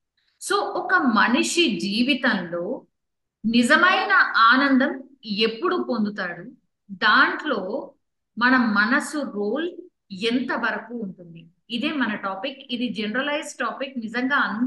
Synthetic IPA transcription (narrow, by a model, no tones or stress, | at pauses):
so̞ːʔɔkɐmɐniʂid͡ʒiːʋit̪ɐnlo̞ː | nizɐmɐjnɐʔaːnɐnd̪ɐm | e̞pːuɽupo̞nd̪ut̪aːɽu | d̪aːɳʈlo̞ː | mɐnɐmːɐnɐsuɾoːl | ent̪ɐʋɐɾɐkuːɳʈund̪iː | d̪eːmɐnɐʈaːpikid̪id͡ʒenɾɐlɐjsʈaːpiknizɐŋɡaːɐn